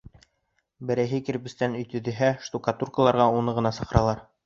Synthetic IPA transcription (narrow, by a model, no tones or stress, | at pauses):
bɘ̆ɾæjɦɘkɘ̆ɾbɘ̆st̪ænɵ̆jt̪ɵ̆ðɘ̆ɦæʃt̪ukɑt̪urkəlˠɑɾʁɑunɤʁɤ̆nɑsɤ̆qɤ̆ɾɑlˠɑɾ